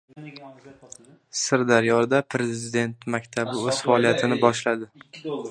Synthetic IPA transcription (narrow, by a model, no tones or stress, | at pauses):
sɪɾd̪aɾjɒɾd̪apʰɾe̞zɪd̪e̞nt̪makʲt̪ʰabɪɵz̥faɒlˠijat̪ʰɪnɪbɒʃlad̪ɪ